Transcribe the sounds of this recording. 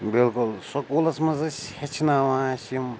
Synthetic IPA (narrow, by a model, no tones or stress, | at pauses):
bilkulsɐkoːlɐsmɐzɐsʲhet͡ʃʰnaːʋãːʃim